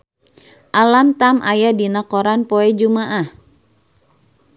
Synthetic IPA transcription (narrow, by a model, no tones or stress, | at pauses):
ʔalamt̪amʔajadinakɔɾanpɔɛd͡ʒumaʔah